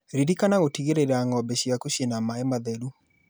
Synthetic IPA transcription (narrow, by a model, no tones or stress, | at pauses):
ɾiɾikanaɣotiɣeɾeɾaŋɔbɛɕjakuɕjenamaemaðɛɾu